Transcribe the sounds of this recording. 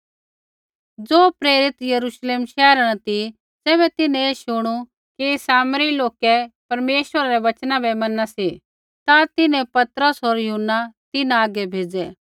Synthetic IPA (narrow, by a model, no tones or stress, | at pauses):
d͡zoːpɾeːɾɪt̪jɐɾuːʃleːmʃɛːɾañɐt̪i | d͡zɛːβɛt̪ɪnɛ̃eːʃʊɽ̃u | kisaːmɾiloːkɛpɐɾmeːʃwəɾaɾɛʋɐt͡ʃnãbɛmɐnasi | t̪at̪ɪnɛ̃pɐt̪ɾəsɦoːɾjɐɦʊnːat̪ɪnãaːɡɛbʱeːd͡zɛ